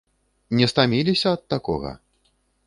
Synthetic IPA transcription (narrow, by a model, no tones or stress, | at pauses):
nʲɛst̪amʲilʲisʲɐɐt̪ːakɔ̰ɣɐ̰